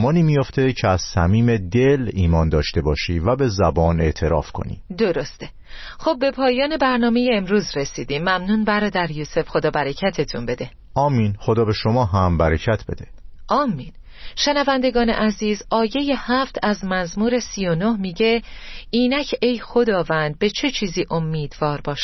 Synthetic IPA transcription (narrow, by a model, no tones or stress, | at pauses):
mɒːniːmijo̞ft̪ʰe̞cʰeæz̥sæmiːme̞d̪eliːmɒːnd̪ɒːʃt̪e̞bɒːʃiːvæbe̞zæbɒːne̞ʔt̪ʰe̞ɾɒ̰ːfkʰo̞̰nḭːd̪oɾo̞st̪e | xob̚ːe̞pʰɒːjɒːne̞bæɾnɒːme̞jeːmɾuːzɾe̞siːd̪iːmːæmnuːnbæɾɒːd̪æɾjuːse̞fxo̞d̪ɒːbæɾecʰæt̪ʰe̞t̪ʰunmbe̞d̪e̞ | ɒːmːinχod̪ɒːbe̞ʃomɒːɦæmbæɾecʰæt̪ʰb̥e̞̰d̪eʔɒːmːin | ʃe̞nævænd̪e̞ɡɒːne̞̰ʔæziːzɒːje̞je̞hæft̪ʰæzmæzmuːɾe̞siːjo̞no̞hmiːɟe̞iːnæcʰe̞jxo̞d̪ɒːvænd̪̚be̞t͡ʃʰe̞t͡ʃʰiːziːʔo̞mːiːd̪vɒːɾbɒːʃ